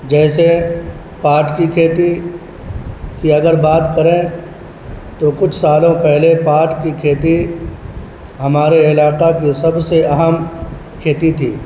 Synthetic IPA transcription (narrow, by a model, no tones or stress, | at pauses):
d͡ʒɛːse | paːɾʈkikʰeːt̪i | kiɐɡəɾbaːt̪kɐɾẽ | t̪okʊt͡ʃʰsaːlõpɛɦlepaːɾʈkikʰeːt̪i | ɦɐmaːɾeɪlaːqakisɐbseɐɦəm | kʰeːt̪it̪ʰḭː